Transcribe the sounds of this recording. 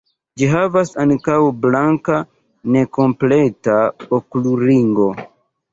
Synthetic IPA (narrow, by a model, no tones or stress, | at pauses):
d͡ʒiɦavasankawblaŋka | ne̞ko̞mpletaokluɾiŋɡo̞